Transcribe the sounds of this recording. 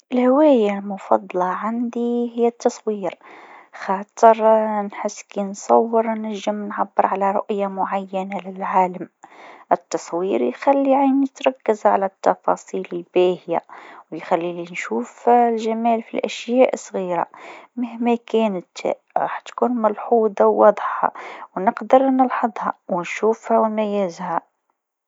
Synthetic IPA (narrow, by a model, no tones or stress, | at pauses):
ʔʔəlhwæjalmʊfɑ̰d̪ˤlɑʕand̪ihəjːæt̪ːɑsˤwiɾxɑt̪ˤəɾnħəsːkinsˤɑwːəɾnæʒːəmnʕabːəɾˤʕalæɾˤʊ̰ʔjamʊʕajːænalɪlʕaːləmʔət̪ːɑsˤwiɾjxælːiʕinət̪ɾˤɑkːəzʕalæt̪ːɑfɑsˤiːləlbiːhja̰wjxælːilinʃuːflʒamæːlfilʔæʃjæːʔsˤɣiːɾa̰məhmækæːnət̪ | ɾˤɑ̰ːħt̪kuːnmælħuːd̪ˤɑwːɑːd̪ˤħɑ̰wnəqd̪əɾnəlħɑd̪ˤhɑwənʃuːfhæwmæjæzhæ